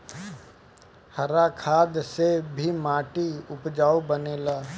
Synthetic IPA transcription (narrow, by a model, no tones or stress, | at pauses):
hɐɾakʰaːd̪sebʱimaːʈiʊpd͡ʒaːobəneːlaː